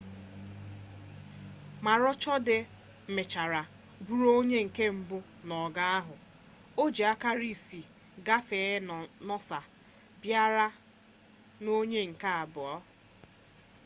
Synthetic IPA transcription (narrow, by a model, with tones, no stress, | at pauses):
ma˨ɾɔ˦t͡ʃɔ˦dɪ˨ | mɪ˨t͡ʃa˨ɾa˨ | bu˦ɾo˦o˦ɲe˦ŋ̩˨ke˦m̩˨bʊ˦ | nɔ˨ɡa˦a˦ɦʊ˨ | o˦d͡ʒi˨a˦ka˦ɾi˦˨si˨ | ɡa˦feː˨˦˨nɔ˦sa˨ | bja˦ɾa˦ | no˦ɲe˦ŋ̩˨ka˦a˨bʊ˨ɔ˦